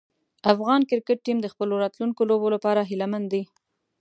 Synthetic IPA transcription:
afɣɑnkɪɾkəʈ̚ːimd̪əxpəloɾɑt̪luŋkolobolapɑɾaɦilamand̪d̪i

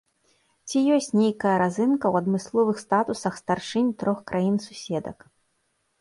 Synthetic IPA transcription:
t͡sʲijɔsʲt͡sʲnʲejkɐjɐɾazɨnkɐwɐd̪mɨslˠɔvɨxst̪at̪usɐxst̪arʂɨnʲt̪ɾɔxkɾʔajinsusʲɛd̪ɐ̰k

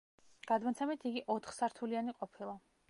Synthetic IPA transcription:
ɡ̥ad̪mat̪sʰɛmit̪ʰiɡiʔɔt̪ʰχsaɾt̪ʰulianiqʼɔpʰilˠa

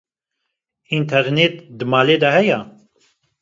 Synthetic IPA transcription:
int̪ʰɛɾnet̪̚d̪ɨmaːleːd̪ahɛja

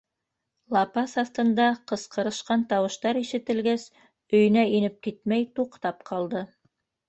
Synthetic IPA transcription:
lˠɑpɑsɑθt̪ɤ̆nd̪ɑqɤ̆sqɤ̆ɾɤ̆ʃqɑnt̪ɑwɤ̆ʃt̪ɑɾiʃɘ̆t̪ɘ̆lɡæs | ɵ̆jɘ̆næinɘp̚kit̪mæjt̪uqt̪ɑpqʰɑlˠd̪ɤ

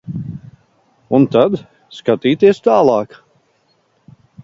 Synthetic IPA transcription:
unt̪ad̪ | skat̪iːt̪iɛst̪aːlˠɑːk

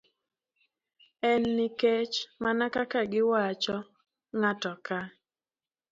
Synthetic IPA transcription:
ɛnːɪket͡ʃmanakakaɡɪwat͡ʃɔ | ŋatɔka

